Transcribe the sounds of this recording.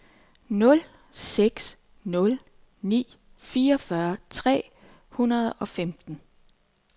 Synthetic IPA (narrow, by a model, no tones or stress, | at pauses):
nɔ̽l | seɡ̥s | nɔ̽l | nḭː | fiːɐɒfɶɐt͡sʰʁɛ̰ː | hunɐð̞ˠɒ̽femd̥n̩